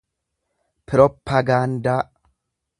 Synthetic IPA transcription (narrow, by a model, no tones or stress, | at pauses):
pɾɔpʰːɐɡand̪a